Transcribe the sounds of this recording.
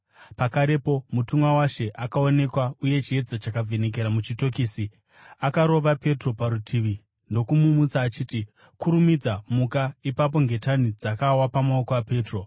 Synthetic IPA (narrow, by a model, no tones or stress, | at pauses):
pakaɾe̞po̞mutumwawaʃe̞ʔakaone̞kwauje̞t͡ʃie̞d͡zat͡ʃakae̞ne̞k̬e̞ɾamut͡ʃito̞kiːsi | akaɾo̞ʋape̞tro̞paɾutʰiːʋi | ndo̞kumumut͡saːt͡ʃiːti | kuɾumid͡zamukaipap̬o̞ŋɡe̞tanid͡zakawapamao̞koape̞ːtro̞